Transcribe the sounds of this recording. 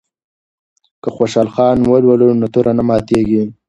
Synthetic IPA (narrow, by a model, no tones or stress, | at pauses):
kəxoʃɑlxɑnwəlwəlunʊt̪uɾʔanamɑt̪eɡi